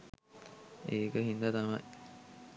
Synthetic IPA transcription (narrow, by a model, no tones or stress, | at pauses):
eːkəɦind̪ɐt̪ɐmɐ̰j